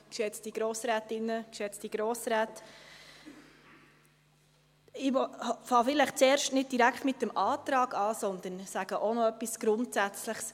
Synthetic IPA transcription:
kʃɛt͡sd̥iɡ̥ɾɔːsɾæːtɪnːəkʃɛt͡sd̥iɡ̥ɾɔːsɾæːt̪ | ɪvɔhfɑːfɪləχt͡sɛːɾʃtnɪd̚d̥iɾækχtmɪtːəmʔɑːt̪ɾɑːɡ̥ɑːsɔnd̪ənsæɡ̥əʔonɔœpːisɡ̥ɾʊntsæt͡sləχs

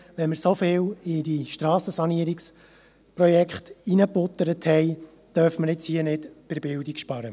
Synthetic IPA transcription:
ʋɛnməɾsofɪːwɪdiʃtɾɑːsəsɑniəɾiks | prɔjɛkχt̪inəpʊt̪ːəɾəthɛɪ | t̪œɾfməɾɪt͡shiənɪdpɪɾbɪldikʃpɑɾə

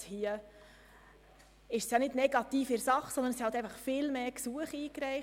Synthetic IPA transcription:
hiə | ɪʃsjɑnɪdnɛɡɑt̪iːfɪɾsɑχsɔnd̪ənsihɑlt̪ɛæɪfɑχfɪlmeːksuəχiːkɾɛɪχ

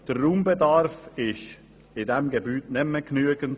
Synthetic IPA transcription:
d̥əruːmbɛdɑɾfɪʃ | ɪdɛmɡɛbyːtnɛmːəknyəɡ̥ənt

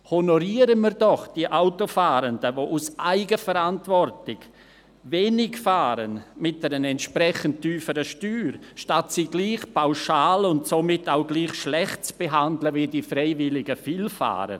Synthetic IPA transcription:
honoɾiːəɾənmiːɾdɔχd̥iəʔaʊtofaːɾəndəvoːʔusʔaɪɡəfɛɾantvɔrtɪɡ | veːnɪɡfaːɾənmɪt̚d̥ɛɾənɛntʃpɾɛçənttːyːfəɾəʃtyːɾʃtatsiɡ̥liːχpʰaʊʃaːlʊntsomɪtaʊɡliːχʃlɛχt̚t͡sb̥eɦandləvidifɾeɪvɪlɪɡəfilfa̰ːɾə̰

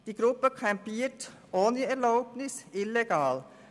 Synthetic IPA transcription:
d̥iːɡɾʊpəkʰɛmpiːt | ʔoːnəɛɾlaʊpnɪsɪlɛɡɑːl

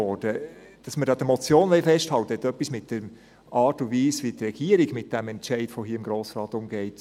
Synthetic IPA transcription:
ɔːɾd̥ə | d̥ɑsməɾdɑːd̥̪əmɔt͡sjoːnʋɛɪfɛʃthɑlwt̪əɛtœpːismɪt̚d̥ɛɾ | ɑːtuʋiːsʋit̪rɛɡ̥iəɾiɡmɪt̚d̥æmɛntt͡ʃɛɪd̥ʋoɦiːɪmɡɾoːsɾɑːt̪ʊmɡɛɪt

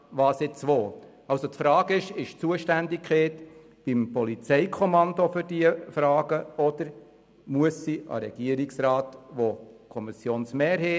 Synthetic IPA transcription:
ʋɑːsɪt͡sʋoː | ɑlsot̪fɾɑːɡɪʃɪʃt͡suəʃtændɪkχeːt | b̥impɔlit͡sɛɪkʰɔmɑnd̪ofʏɾdiəfɾɑːɡəɔd̥̪əɾ | muəsːiʔɑ̰ɾɛɡ̥iəɾiksɾɑːtʋokʰɔmisjoːnsmɛːɾhɛ

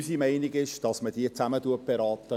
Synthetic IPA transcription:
simɛɪnɪɡɪʃd̥ɑsmədiːt͡saməduət̚b̥eɾɑːtə

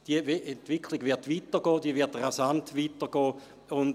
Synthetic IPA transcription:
d̥iəɛntʋɪkʰlɪɡʋɪɐtʋitəɡɔːd̥iəʋɪɐtʁasantʋiːtəɡ̥ɔː | ʊn

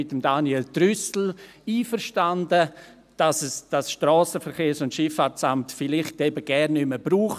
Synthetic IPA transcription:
ɪtəmdaniɛltɾʏsl̩ | iːfəɾʃtandə | d̥asɛsd̥asʃtɾɔːsəfəɾkeːɾsʊntʃɪfaːt͡samtfɪlɪχtɛbəɡ̥ɛɾnːʏməbɾuːχ

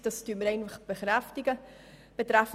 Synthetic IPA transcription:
d̥ɑstyːət̚məɾɛɪnfaχb̥eχɾɛftiɡə | b̥etɾaf

